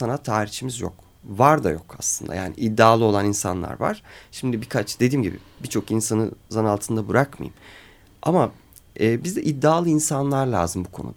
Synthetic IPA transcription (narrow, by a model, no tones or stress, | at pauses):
anat̪ʰaːɾiht͡ʃʰimizjo̰k | vaɾd̪ajo̞kʰaslˠɯnd̪a̰ja̰ːnḭʔid̪ːaːlˠɯo̞lˠaninsa̰nlˠa̰ɾva̰ɾ̥ʃimd̪ibikʰat͡ʃd̪e̞d̪iːmɟibḭbit͡ʃʰo̞kinsanɯ̰zanalˠt̪ʰɯnd̪abɯɾakma̰jɯ̰m | ama | ɛːbizd̪ɛʔid̪ːaːlˠɯinsanlˠaɾlʲa̰ːzɯmbukʰo̞̰nṵd̪a